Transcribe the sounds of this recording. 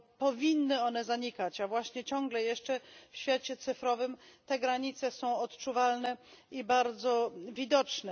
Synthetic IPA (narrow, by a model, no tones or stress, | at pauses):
pɔvʲinːɘɔnɛzaɲikat͡ɕavwaɕɲɛt͡ɕɔ̃ŋɡlɛjɛʂt͡ʂɛfɕfʲjat͡ɕɛt̪sɘfɾɔvɘmt̪ɛɡɾaɲit̪sɛsɔ̃w̃ɔt̪t͡ʂuvalnɛibaɾd̪zɔvʲid̪ɔt͡ʂnɛ